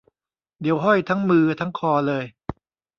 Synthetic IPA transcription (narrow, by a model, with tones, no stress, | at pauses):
d̪i˨˩˦wɦɔ˥˩jt̪ʰa˦˥ŋmɯː˧t̪ʰa˦˥ŋkʰɔː˧lɤː˧j